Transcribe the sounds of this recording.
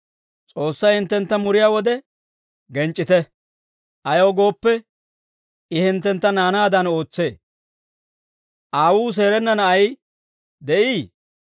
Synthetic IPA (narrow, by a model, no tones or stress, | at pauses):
t͡sʼo̞ːsːɐjhɪnt̪ːɛnt̪ːɐmʊɾɪjaːwɔd̪ɛ | ɡɛnt͡ʃʼːɪt̪ɛ | ʔɐjoːɡo̞ːpːɛ | ɪhɪnt̪ːɛnt̪ːɐnaːnaːd̪ɐno̞ːt͡sːe̞ː | ʔaːwuːs̬e̞ːɾɛnːɐnɐʔɐj | d̪ɛʔiː